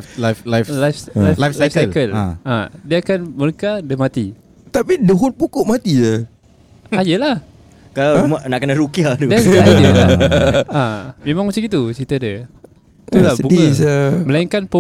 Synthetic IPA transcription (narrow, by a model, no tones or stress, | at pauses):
laflalajflajflaslafssalkəlaa̰diəakanməɾəkadəmat̪i | t̪apidəɦʊnpukʊʔmat̪iə | ajəlah | kalamanaʔkənaɾukiad̪udɛsədəaamẽmãŋmət͡ʃəɡit̪ut͡ʃit̪adə | t̪ulabuəməlaiŋkanpə